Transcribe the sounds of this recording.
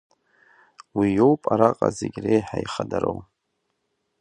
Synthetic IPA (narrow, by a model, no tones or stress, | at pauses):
wijo̞wpʼaɾaqʼazeɡʲrejħaiχadaɾow